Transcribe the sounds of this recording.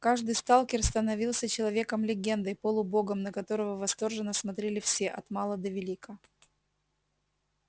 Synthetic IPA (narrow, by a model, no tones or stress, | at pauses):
kaʐd̪ɨjst̪alˠkʲɪrst̪ənɐvʲilˠsʲət͡ɕɪlˠɐvʲe̞kəmlʲɪɡʲe̞nd̪əjpolˠʊbo̞ɡəmnəkɐt̪o̞ɾəvəvɐst̪o̞rʐɨnːəsmɐt̪ɾʲelʲɪfsʲe̞ʔɐt̪mɑlˠəd̪əvʲɪlʲikə